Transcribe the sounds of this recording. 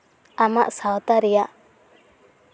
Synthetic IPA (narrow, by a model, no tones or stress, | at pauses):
amaʔsawt̪aɾɛjaʔ